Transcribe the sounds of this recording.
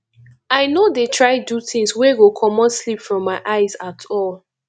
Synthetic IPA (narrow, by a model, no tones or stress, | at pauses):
aɪnodetʰɹaɪduθĩŋsweɡokʰɔmɔ̃nslipfɹɔ̃mːaɪʔaɪzatʰɔl